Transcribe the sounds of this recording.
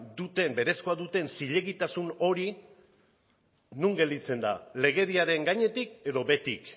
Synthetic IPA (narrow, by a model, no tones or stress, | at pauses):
d̪ut̪e̞mbe̞ɾe̞sko̞aðut̪e̞nsiʎe̞ɣit̪asuno̞ɾi | nuŋɡe̞ld̪it͡se̞nd̪a̰le̞ɣ̞e̞ðiaɾe̞ŋɡaɲe̞t̪ike̞ðo̞βe̞t̪ik